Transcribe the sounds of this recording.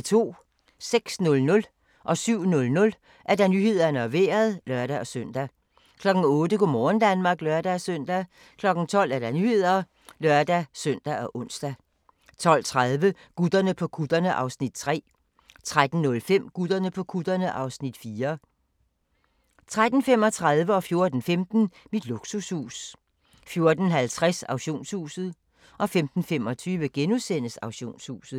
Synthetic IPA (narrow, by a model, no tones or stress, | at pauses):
t͡sʰo̝̰ː | seɡ̥snɔ̽lnɔ̽l | ʔɒ̽syʊ̰nɔ̽lnɔ̽l | ʔæɐd̥æ̈nyhe̝ð̞̰ˠɐnəɒʋe̝ːɐð̞̩ˠlɶɐɾ̥æɒ̽søn̰d̥æ | kʰlɒ̽ɡ̥n̩ɔ̽ːdəɡ̥omɒːn̩d̥ænmɑ̈ːɡ̥lɶɐd̥æsœn̰d̥æ | kʰlɒ̽ɡ̥n̩t͡sʰɒ̽l̰æɐd̥ænyhe̝ð̞̰ˠɐ | lɶɐd̥æsœn̰d̥æʔɒ̽ʔɔ̽nsd̥æ | t͡sʰɒ̽l̰t͡sʰʁað̞ˠʋə | ɡ̥ud̥ɐnəpʰɒ̽kʰud̥ɐnəʔɑ̈ʊsnid̥̚t͡sʰʁɛ̰ː | t͡sʰʁad̥n̩nɔ̽lfem̰ɡ̥ud̥ˠɐnəpʰɒ̽kʰud̥ɐnəʔɑ̈ʊsnid̥fiːɐ | t͡sʰʁad̥n̩fem̰ɒ̽t͡sʰʁað̞ˠʋəɒ̽fjo̝ɐd̥n̩femd̥n̩mid̥luɡ̥sushṵːs | fjo̝ɐd̥n̩ɦælt͡sʰʁasɑ̈ʊɕo̝̰ːnshṵːsð̞̩ˠ | ʔɒ̽femd̥n̩fem̰ɒ̽t͡sʰyːʋəɡ̥enusen̰əsɑ̈ʊɕo̝̰ːnshṵːsð̩ˠ